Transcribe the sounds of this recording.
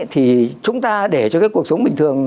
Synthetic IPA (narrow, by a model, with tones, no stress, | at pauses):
t̪ʰi˨˩t͡ɕʊ˨˦ŋ͡mt̪aː˧ɗe˧˩t͡ɕɔ˧kaː˨˦ku˨˩ək̚sə˨˦wŋ͡mɓï˨˩ŋ̟t̪ʰɨ˨˩əŋ